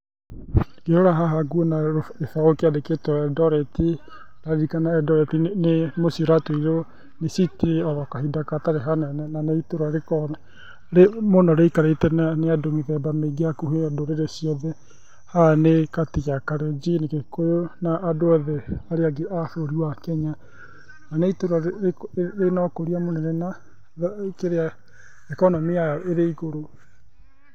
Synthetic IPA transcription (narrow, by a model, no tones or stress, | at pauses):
ɡeɾoɾaɦaɦaɡuonaefaokeadeketɔɛdɔɾɛti | ɾaɾɾikanaɛdɔɾɛtinemosioɾatweiɾo | nesiteeɔðɔkahidakataɾeɦanɛnɛnanaitoɾaɾekɔnɛ | ɾemonɔɾeikaɾeitɛnaneadoŋiðɛbameɡehakuɦedoɾeɾesiɔðɛ | hanekatiɣakaɾed͡ʒinikekojonaʔːdoaðɛaɾeaɡeʔaθoɾiwakɛɲa | nanɛitoɾa | ɾenɔkoɾiamonɛnena | keɾea | ekɔnɔmeajɔʔeɾeiɣoɾo